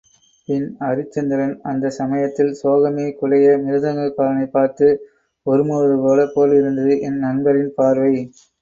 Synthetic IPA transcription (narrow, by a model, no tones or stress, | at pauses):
pɪnɐɾɯt͡ʃːɛnd̪ɪɾɐnɐnd̪ɐsɐmɐjɐt̪ːɪlsoːɣɐmeːkʊɻɐjɐmɪɾɯðɐŋɡɐɭkːaːɾɐnɐɪpːaːɾt̪ɯ | ɔɾɯmuːɐðɯpoːlɐpoːlɪɾɯnd̪ɐðɯʔɛnːɐnbɐɾɪnpaːɾʋɐɪ